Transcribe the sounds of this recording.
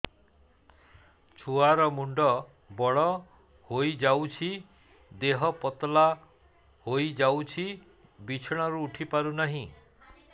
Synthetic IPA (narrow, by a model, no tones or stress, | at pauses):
t͡ʃʰuaɾɔmuɳɖɔ | bɔɭɔ | hojd͡ʒawt͡ʃʰi | d̪eɦɔpɔt̪la | hojd͡ʒawt͡ʃʰi | bit͡ʃʰɔɽ̃ɔɾuːʈʰipaɾunaɦĩ